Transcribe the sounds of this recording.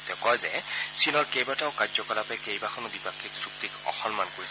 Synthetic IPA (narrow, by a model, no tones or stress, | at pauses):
tɛʊkɔjzɛsinɔɹkejbataʊkazɔkɔlapɛkejbaxʰɔnʊdipakʰːiksuk̚tikɔ̰xɔnmankoɹi